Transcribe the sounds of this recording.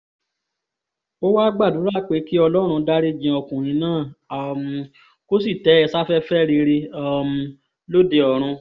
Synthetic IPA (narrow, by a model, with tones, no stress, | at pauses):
o˦wa˦ɡ͡ba˦˨du˨˦ɾa˦k͡pe˨˦ki˦ɔ˧lɔ˦ɾ̃ũ˧da˦ɾe˦d͡ʒĩ˧ɔ˧kũ˨ɾ̃ĩ˧˦nãː˦˨a˨mũ˨˧ | ko˦s̬i˦˨tɛ˨˦ɛ˧sa˦fɛ˦fɛ˦ɾi˧ɾe˧a˦mũ˧ | lo˦˨de˧ɔ˨ɾ̃ũ˧